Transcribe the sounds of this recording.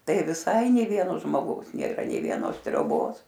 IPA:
ˈtɐɪ ʋʲɪˈsɐɪ nʲeː ˈʋʲiɛnoː ʒmoːˈɡɐʊs nʲeːˈrɐ nʲɛɪ ʋʲiɛˈnoːs tʲrʲoːˈboːs

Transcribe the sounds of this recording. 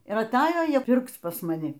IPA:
ɪr ɐˈtɑːjoː ˈjiɛ ˈpʲɪrkt͡s pɐs mɐˈnʲɪ

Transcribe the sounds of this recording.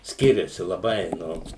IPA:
ˈsʲkʲɪrʲɛsʲɪ lˠɐˈbɐɪ ˈnʊ

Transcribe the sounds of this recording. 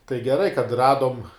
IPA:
tɐɪ ɡʲɛˈrɐɪ kɐt ˈrɑːdoːm

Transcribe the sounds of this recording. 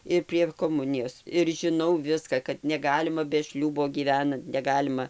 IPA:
ɪr pʲrʲiɛ koːˈmʊnʲɪjoːs ɪr ʒʲɪˈnɐʊ ˈʋʲɪskɐ kɐt nʲɛˈɡɑːlʲɪmɐ bʲɛ ˈʃʲlʲuːboː ɡʲiːˈʋʲæːnɐnt nʲɛˈɡɑːlʲɪmɐ

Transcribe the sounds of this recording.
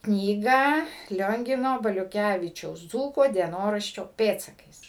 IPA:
ˈknʲiːɡɑː ˈlʲoːŋʲɡʲɪnoː bɐlʲʊˈkʲæʋʲɪt͡ʃʲɛʊs ˈd͡zuːkoː dʲiɛˈnoːrɐʃʲt͡ʃʲoː ˈpʲeːtsɐkɐɪs

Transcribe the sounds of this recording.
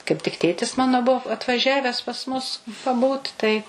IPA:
kɐɪp tʲɪk ˈtʲeːtʲɪs ˈmɑːnoː bʊ ɐtʋɐˈʒʲæʋʲɛs pɐs ˈmʊs pɐˈbuːt tɐɪ

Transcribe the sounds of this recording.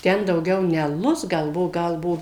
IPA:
ˈtʲɛn dɐʊˈɡʲɛʊ nʲɛ ɐˈlˠʊs ˈɡɐlˠ ˈbuɔ ˈɡɐlˠ ˈbuɔ

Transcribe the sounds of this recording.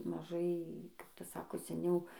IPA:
mɐˈʒɐɪ kɐp ˈtɐs ˈsɑːkoː sʲɛˈnʲɛʊ

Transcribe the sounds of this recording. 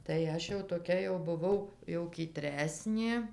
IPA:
tɐɪ ˈɐʃ jɛʊ toːˈkʲɛ jɛʊ bʊˈʋɐʊ jɛʊ kʲiːˈtʲrʲæːsʲnʲeː

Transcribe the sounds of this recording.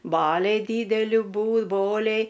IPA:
ˈbɑːlʲɛɪ ˈdʲiːdʲɛlʲɪ ˈbuː ˈboːlʲɛɪ

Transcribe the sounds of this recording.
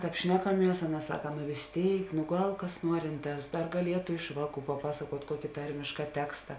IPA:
ˈtɑːp ˈʃʲnʲæːkɐˌmʲiɛs ˈɑːˌnɐ ˈsɑːkɐ nʊ ʋʲeːs ˈtʲeːɪk nʊ ˈɡɐlˠ kɐs ˈnuɔrʲɪnˌtɑːs ˈdɐr ɡɐˈlʲiɛtʊ ˈɪʃ ʋɑːˌkuː pɐˈpɑːsɐkuɔtʲ ˈkuɔkʲɪ ˈtɐrʲmʲɪʃkɐ ˈtʲæːkstɐ

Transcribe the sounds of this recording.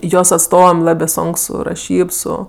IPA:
ˈjoːs ɐtˈstoːʋɐm ˈlˠɑːbʲeː ˈsoːŋk ˈsʊ rɐˈʃʲiːp ˈsʊ

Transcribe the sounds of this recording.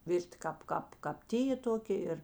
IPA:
ˈʋʲɪrʲtʲɪ ˈkɑːp ˈkɑːp kɑːp ˈtʲiːjeː ˈtoːkʲeː ˈɪr

